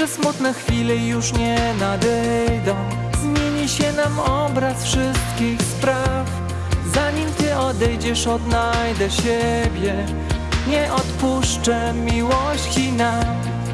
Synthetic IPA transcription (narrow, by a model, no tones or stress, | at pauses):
ɛsmut̪nɛxfʲilɛjuʂɲɛnad̪ɛjd̪ɔ̃w̃ | zmʲjeɲiɕɛnamɔbɾasfʂɘst̪̚kʲixspɾaf | zaɲimt̪ɘʔɔd̪ɛjd͡ʑɛʂɔd̪najd̪ɛɕɛbʲjɛ | ɲɛʔɔt̪puʂt͡ʂɛ | mʲiwɔɕt͡ɕinam